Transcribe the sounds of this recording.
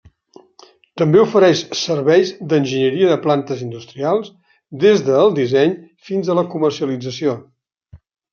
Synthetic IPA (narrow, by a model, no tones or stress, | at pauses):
t̪əmbeufəɾɛʃsərβɛjzd̪ənʲʒəɲəɾiəðəplant̪əzind̪ust̪ɾialˠs | d̪ezðəːlˠd̪izɛɲ | finzələkumərsiəlid͡zəsio